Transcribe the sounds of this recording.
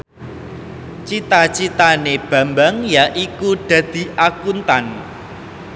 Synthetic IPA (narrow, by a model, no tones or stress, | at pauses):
t͡ʃit̪at͡ʃit̪aneb̥ä̤mbaŋjaʔikuɖ̪̥ä̤d̪̥i̤ʔakunt̪an